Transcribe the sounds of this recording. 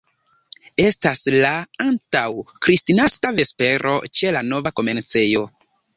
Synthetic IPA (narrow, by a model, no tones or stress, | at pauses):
e̞staslaantawkɾistinaskave̞spe̞ɾʔo̞̰t͡ʃe̞lano̞vako̞me̞nt͡se̞jo̞